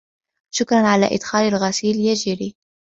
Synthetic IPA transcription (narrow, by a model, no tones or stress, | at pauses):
ʃʊkɾˤɑnʕala̰ːʔɪd̪xaːlalɣasiːljad͡ʒɪɾiː